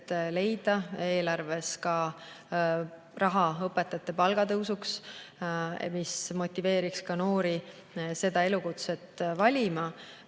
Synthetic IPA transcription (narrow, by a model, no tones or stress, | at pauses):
t̪le̞jd̪̥ɑe̞ːlɑrve̞skɑ | rɑɦɑɤpːˑe̞t̪ːˑɑt̪ːˑe̞pɑlɡ̥ɑt̪ɤwusuks | mismo̞t̪ʲˑːive̞ːɾikskɑno̞ːɾi | se̞d̪̥ɑe̞lukut̪se̞t̪ːˑvɑlʲimɑ